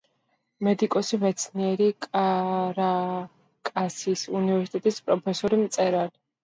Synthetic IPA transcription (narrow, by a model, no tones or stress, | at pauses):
mɛd̪ikʼɔsimɛt̪sʰniɛɾikʼaɾa | kʼasisunivɛɾsi̥t̪ʼɛt̪ʼispʼɾɔpʰɛsɔɾimt̪sʼɛɾali